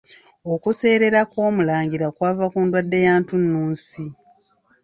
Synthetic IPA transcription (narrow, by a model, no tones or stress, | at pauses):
okuse̞ːɾe̞ɾakwo̞ːmulaːŋɟiɾakwaːvakuːndwadːe̞jaːntunːuːnsi